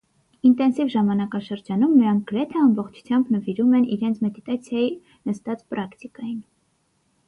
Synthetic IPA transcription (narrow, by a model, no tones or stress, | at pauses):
int̪ɛnsivʒɑmɑnɑkɑʃəɾd͡ʒɑnumnəɾɑŋk̚ɡ̥əɾɛt̪ʰɛɑmbɔχt͡ʃʰu̥t͡sʰjɑmbnəviɾumɛniɾɛnt͡sʰmɛd̪it̪ɑt͡sʰjɑji | nəst̪ɑt͡spɾʔɑkt̪ikɑjin